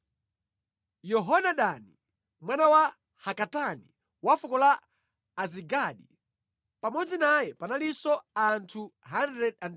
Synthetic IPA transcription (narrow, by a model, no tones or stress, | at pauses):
jɔɦɔnaɗani | mwanawa | hakatanḭ | wafɔkɔlaː | ziɡaɗi | pamɔd͡zinajɛpanalisɔantʰuɦandɾɛdan